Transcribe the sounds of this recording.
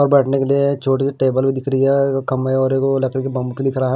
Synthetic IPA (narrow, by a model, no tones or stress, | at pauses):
ɔːɾbɛʈnekeliet͡ʃʰoːʈisiʈeːbəlbʱid̪ɪkʰɾiekɐmeɔːɾekolɐkɾekibɐ̃mbkilɪkʰɾaɦ